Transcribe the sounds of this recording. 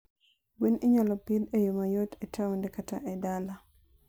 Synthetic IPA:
winiɲalɔpidejomajotɛtʰawundɛkata̰ʔɛdala

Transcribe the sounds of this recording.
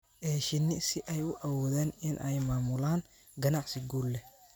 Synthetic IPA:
ʔɛːʃɪnɪsɪʔɛjʊʔɐwɔːðaːnɪnʔɛjmaːmʊlaːŋ | ɡɐnɑʕsɪɡuːlːɛ

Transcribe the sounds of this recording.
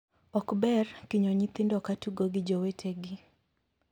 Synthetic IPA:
ɔkbɛrkɪɲoɲit̪ɪndɔkatuɡoɡɪd͡ʒɔwetʰeɡɪ

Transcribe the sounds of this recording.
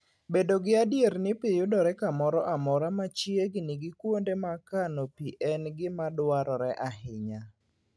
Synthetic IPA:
bedoɡɪadjernɪpɪjʊdɔɾɛkamɔɾɔʔamɔɾamat͡ʃjeɡnɪɡɪkwondemakanopiʔɛnɡɪmadwaɾɔɾɛʔahɪɲa

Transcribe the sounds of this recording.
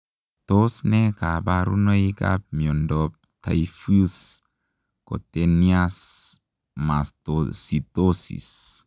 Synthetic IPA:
t̪osnekabaɾṵnoika̰p̚miondop̚t̪ʰa̰jfus | ko̰t̪enias | mast̪osit̪osḭs

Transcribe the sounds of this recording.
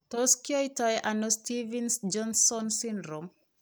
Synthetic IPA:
toskioitɔjʔanostivinsd͡ʒɔnsɔnsindɾom

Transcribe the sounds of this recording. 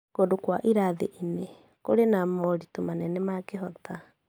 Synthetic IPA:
kodokwaʔiɾaðḛʔine | koɾenamɔɾitomanɛnɛmakeɦɔta

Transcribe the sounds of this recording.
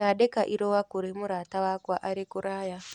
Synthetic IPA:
aɗekaʔiɾowakuɾemuɾatawakwaʔaɾekuɾaja

